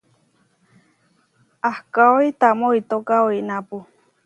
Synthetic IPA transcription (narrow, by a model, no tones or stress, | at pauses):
ahkaoit̪amoit̪okaoinãpu